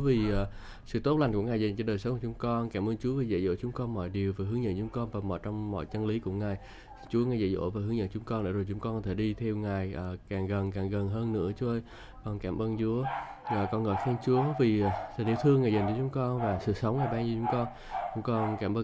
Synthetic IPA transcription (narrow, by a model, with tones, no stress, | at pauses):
vi˨˩ʔː | sɨ̰˧˨t̪o˦˥t̚la˧˩ŋ̟ku˧˩əŋaː˨˩jzə˨˩ŋ̟t͡ɕɔ˧ɗəː˨˩jsə˨˦ŋ͡mku˧˩t͡ɕʊ˨˦ŋ͡mkɔ˧nkaː˧˩mʔəː˧nt͡ɕu˨˦əvi˨˩zə̰˧˨˩zo̰˧˥jt͡ɕʊ˨˦ŋ͡mkɔ˧nmɔ̰˧˨jɗi˨˩əwvaː˨˩ɦɨ˨˦əŋzə̰˧˨nt͡ɕʊ˨˦ŋ͡mkɔ˧nvaː˨˩mɔ̰˧˨jt͡ɕɔ˧wŋ͡mmɔ̰˧˨jt͡ɕə˧nli˨˦kṵ˧˩əŋaː˨˩j | si̥˧ŋt͡ɕu˨˦əŋaː˨˩jzə̰˧˩jzo̰˧˥vaː˨˩ɦɨ˨˦ŋzə̰˧˨t͡ɕʊ˨˦ŋ͡mkɔ˧nɗə̰˧˥˩zo˨˩jt͡ɕʊ˨˦ŋ͡mkɔ˧nkɔ˧t̪ʰe˧˩ɗi˧t̪ʰɛ˧wŋaː˨˩jʔaː˨˩kaː˨˩ŋɣə˨˩nkaː˨˩ŋɣə˨˩nɦəː˧nːɨ̰˧˥ət͡ɕu˨˦ʔə˧j | kɔ˨˩ŋkaː˧˩mʔəː˧nt͡ɕu˨˦əʔaː˨˩kɔ˧nŋə̰ː˧˨jxɛ˧nt͡ɕu˨˦əvi˨˩˨sʰə˨˩ɗḭ˧˨wt̪ʰɨ˧əŋːaː˨˩jzə˨˩jŋ̟t͡ɕɔ˧˦t͡ɕʊ˨˦ŋ͡mkɔ˧nvaː˨˩sɨ̰˧˨sə˨˦wŋ͡mŋnaː˨˩jɓaː˧ŋzu˧t͡ɕʊ˨˦ŋ͡mkɔ˧n | t͡ɕʊ˨˦ŋ͡mkɔ˧nkaː˧˩mʔəː˧